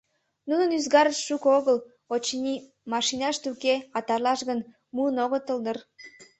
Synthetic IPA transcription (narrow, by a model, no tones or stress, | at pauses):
nunənyzɡɑɾəʃʃukoɣəl | ot͡ɕinʲi | mɑʃinɑʃt̪ukeɑt̪ɑrlɑʃɣən | muənoɣət̪əld̪ər